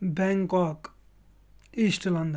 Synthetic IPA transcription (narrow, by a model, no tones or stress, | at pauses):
bɛŋkɔk | isʈlɐnd̪